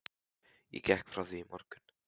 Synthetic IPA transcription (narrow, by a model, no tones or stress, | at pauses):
jɛ̰cɛhkfɾawθimɔɾkʏn̥